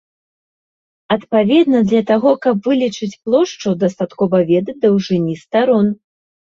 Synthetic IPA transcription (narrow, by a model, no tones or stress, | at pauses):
ɐt̪pavʲɛd̪nɐd̪lʲɐt̪aɣɔkɐpvɨlʲit͡ʂɨt͡sʲplˠɔʂt͡ʂud̪ɐst̪at̪kɔvɐvʲɛd̪ɐd̪ɐwʐɨnʲist̪aɾɔn